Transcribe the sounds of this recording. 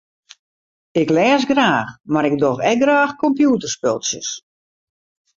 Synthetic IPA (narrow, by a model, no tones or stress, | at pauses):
ɪklɛːzɡraːxmaɾɪɡ̚dɔxɛk̚ɡraːxkɔmpjuːtərspølˠsjə̰s